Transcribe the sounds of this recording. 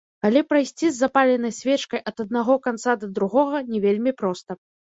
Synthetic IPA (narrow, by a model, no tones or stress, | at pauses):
kalʲipɾɐjsʲt͡sʲizːapalʲɛnɐjsʲvʲɛt͡ʂkɐjʔɐt̪ɐd̪naɣɔkant̪sad̪ɐd̪ɾuɣɔɣɐnʲɛvʲelʲmʲipɾɔst̪ɐ